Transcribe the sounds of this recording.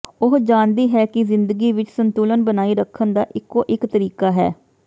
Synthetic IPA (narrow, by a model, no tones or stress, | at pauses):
ʊɦd͡ʒaːnd̪iːɦɛːkɪzɪnd̪əɡiːʋɪt͡ʃsənt̪uːlənbənaːiːɾəkʰːənd̪aːʔɪkːoːʔɪkt̪əɾiːkaːɦɛ̰ː